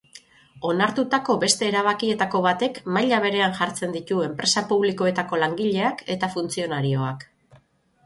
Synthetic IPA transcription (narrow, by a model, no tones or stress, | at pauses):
o̞naɾt̪ut̪ako̞βe̞st̪e̞ːɾaβakie̞t̪ako̞β̞at̪e̞kmajʎaβ̞e̞ɾe̞anʝaɾt͡se̞nd̪it̪ue̞mpɾe̞sapuβliko̞e̞t̪ako̞laŋɡiʎe̞ake̞t̪afunt͡sio̞naɾio̞ak